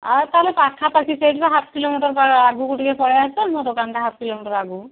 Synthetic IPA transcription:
at̪aɦlepakʰapasʰised͡ʒbaɦat̪ʰkilomiʈɔɾpaaɡukuʈikepʰɔɽajasɔnmɔ̃d̪okanʈaɦapʰkilomiʈɔɾaɡu

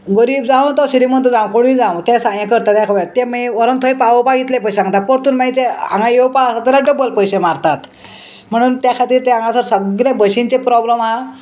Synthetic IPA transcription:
ɡəɾiːbd͡zãʋt̪ɔɕɾimənt̪d͡zãwkoɽ̃ĩd͡zãwt̪jãsãjãkəɾt̪at̪jakʰəʋat̪ɛmiʋəɾənt̪ʰoepaʋəpaɡit̪lep̬əsesãŋɡt̪at̪̚poɾt̪uːnmait͡seã̰ŋɡãjewpasat̪alaɖəbəlpəjɕemaɾt̪at̪ | m̤əɽ̃uːnt̪jakʰat̪iːɾt̪eãŋɡãsəɾsəɡlabəɕint͡ɕepɾɔbləmɦa

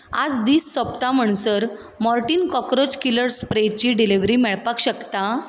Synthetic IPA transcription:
a̰d͡zd̪iːsːəpt̪am̤əɳ̃səɾ | mɔɾʈiːnkɔkɾod͡ʑkiləɾspɾet͡ɕiːɖiliʋɾiːmɛɭpakɕəkt̪a

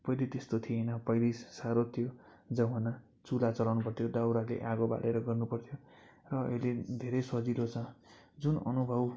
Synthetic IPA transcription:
pʌjlit̪est̪ot̪ʰijenʌpʌjlissaɾot̪ʰijo | d͡zʌɦʌnʌ | t͡sulat͡sʌlawnupʌrt̪ʰjod̪awɾalḛʔaɡoba̰ɽeɾʌɡʌrnupʌrt̪ʰjo | rʌʌ̰iled̪ʱeɾʌjsʌd͡zilot͡sʰʌ̃ | d͡zunʌ̰nubʱʌw

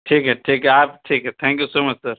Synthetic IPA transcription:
ʈʰiːkɦɛʈʰiːkɦɛaːpʈʰiːkɦɛt̪ʰɛ̃ːŋkjusoːmɐt͡ʃsɐɾ

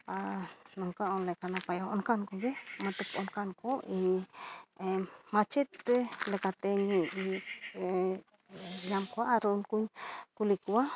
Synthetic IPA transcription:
anuŋkaonlekanapajaoŋkankoɡemat̪əkonkankoiniemat͡ʃet̪elekat̪eɲiʔi | jamkwaːɾonkuɲkulikua

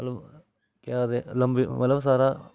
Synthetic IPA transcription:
ɐlɐm | kad̪elɐmbiʋɐlɐms̬aːɾa

